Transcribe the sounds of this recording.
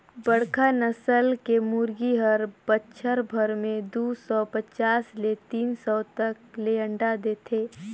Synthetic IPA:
bəɽkʰanəsəlkemuːɾɡiɦəɾbətːʃʰəɾbʱəɾmẽd̪uːsɔpət͡ʃaːslet̪iːnsɔːt̪ək̚leə̃ɳɖad̪eːt̪ʰeː

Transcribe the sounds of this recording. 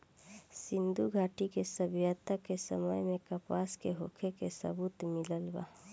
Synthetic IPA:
sɪ̃nd̪uɡʱaːʈikesəbjat̪akesəməjmẽkəpaːskeɦoːkʰekesə̰buːt̪mɪləlba̰ː

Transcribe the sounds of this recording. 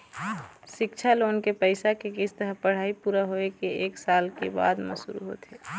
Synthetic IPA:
ʃɪkt͡ʃʰaloːnkepəɪsakekɪst̪əɾəpəɽ̤aːipuːɾaɦoekeeːksaːlkeba̰ːd̪mə̰sṵɾṵɦo̰t̪e

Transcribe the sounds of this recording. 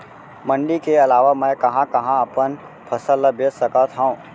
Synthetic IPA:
mə̃ɳɖikeɐlaːʋamɛ̃ːkɐɦãkɐɦãɐpən | pʰəsəlːəbeːsəkat̪ʰɦãũ

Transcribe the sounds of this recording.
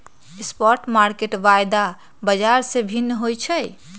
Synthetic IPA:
espɔɾʈmaɾkeʈʋajd̪a | bəd͡ʒaɾsẽbʱinːɦojt͡ʃʰɛ

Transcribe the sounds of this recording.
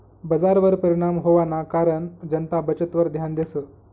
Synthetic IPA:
bəd͡zaɾʋəɾpəɾiɽ̃amɦoʋanakaɾəɳd͡ʑənt̪abət͡ɕət̪ʋəɾd̪ʱjand̪esə

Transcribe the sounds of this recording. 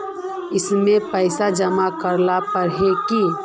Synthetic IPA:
ɪsmẽpəɪsad͡ʒəmakəɾlapəɾɦeki

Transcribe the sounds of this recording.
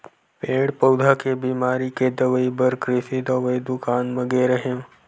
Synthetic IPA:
peːɽpɐwd̪ʱakebiːmaːɾiked̪əʋəibəɾkɾɪsid̪əʋəid̪ʊkaːnməɡeɾəɦẽ

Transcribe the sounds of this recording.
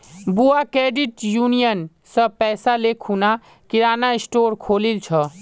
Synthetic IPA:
buakɾeɖiʈjunijən | səpɛjsalekʰuna | kiɾanaisʈoɾkʰolilt͡ʃʰə

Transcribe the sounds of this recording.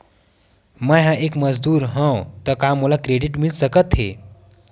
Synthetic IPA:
məjɦãʔekməzd̪uːɾɦə̃wt̪əkamːolakɾeɖiʈmilsəkət̪ɦḛ

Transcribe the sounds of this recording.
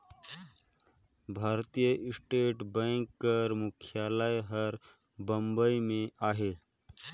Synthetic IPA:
bʱaːɾt̪ijəʔɪsʈeːʈbə̃ŋkːəɾmʊkʰjaːləjɦəɾ | bə̃mbəimẽaːɦeː

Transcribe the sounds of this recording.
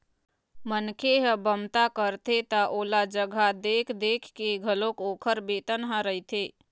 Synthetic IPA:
mənkʰeɦəbəmt̪akəɾt̪ʰet̪aʔoːlad͡ʒəɡʱad̪eːkʰd̪eːkʰkeɡʱəlokoːkʰəɾbeːt̪ənɦə̃ɾəit̪ʰeː

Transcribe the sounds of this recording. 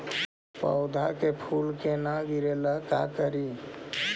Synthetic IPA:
pə̰ʊd̪ʱakepʰulkenaɡiɾeləkakəɾi

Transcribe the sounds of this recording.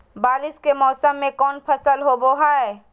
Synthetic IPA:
baːlɪskemɔːsəmːẽkɔːnpʰəsəlɦoboɦaɛ

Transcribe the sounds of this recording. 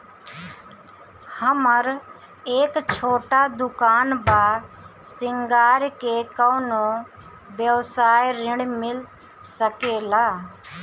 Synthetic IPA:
həməɾ | eːkt͡ʃʰoːʈad̪ʊkaːnbaː | sɪŋɡaːɾkekəːno | bjəʋsaːjɾɪɽmɪl | səkeːlaː

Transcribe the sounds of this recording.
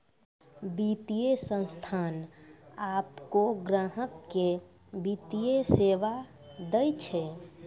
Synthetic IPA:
bit̪ijesə̃nst̪ʰanapkoɡɾaɦəkːe | bit̪ijeseʋa | d̪əjt͡ʃʰɛ

